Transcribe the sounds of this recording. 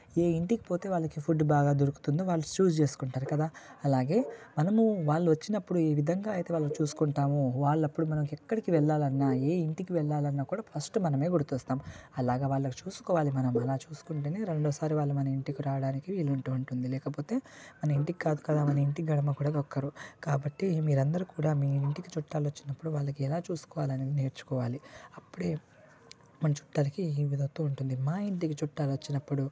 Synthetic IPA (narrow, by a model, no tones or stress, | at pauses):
e̞ːiɳʈiki̥po̞ːt̪e̞ːʋaːɭːɐkipʰuɖbaːɡaːd̪oɾuku̥t̪und̪oːʋaːɭːut͡ʃuːd͡ʒt͡ʃe̞ːsu̥kuɳʈaːɾukɐd̪aːɐlaːɡe̞ːmɐnɐmuʋaːɭːuʋɐt͡ʃːinɐpːuɽueːʋid̪ʱɐŋɡaːɐjt̪e̞ːʋaːɭːɐkut͡ʃuːsu̥kuɳʈaːmuʋaːɭːɐpːuɽumɐnɐmukɛkːɐɽikiʋɛɭːaːlɐnːaːeːiɳʈikiʋɛɭːaːlɐnːaːkuːɽaːpʰɐsʈumɐnɐme̞ːɡuɽut̪uːst̪aːmɐlaːɡeːʋaːɭːɐku̥t͡ʃuːsu̥kɔːʋaːlimɐnɐmɐlaːt͡ʃuːsu̥kuɳʈeːneːɾe̞ɳɖoːsaːɾiʋaːɭːumɐnɐiɳʈikiɾaːʋɐɽaːnikiʋiːluɳʈuuɳʈund̪ilɛːkɐpoːt̪e̞ːmɐnɐiɳʈikikaːd̪ukɐd̪aːmɐnɐiɳʈiɡɐɽɐmɐkuːɽaːd̪ɔkːɐɾukaːbɐʈːimiːɾɐnd̪ɐɾukuːɽaːmiːiɳʈikit͡ʃuʈːaːlot͡ʃːinɐpːuɽuʋaːɭːɐkiɛlaːt͡ʃuːsu̥kɔːʋaːlɐne̞ːd̪ineːɾt͡ʃu̥kɔːʋaːliɐpːuɽe̞ː | mɐnɐt͡ʃu̥ʈːaːlɐkiiːʋid̪ʱɐt̪ːouɳʈund̪imaːiɳʈikit͡ʃuʈːaːlʋot͡ʃːinɐpːuɽu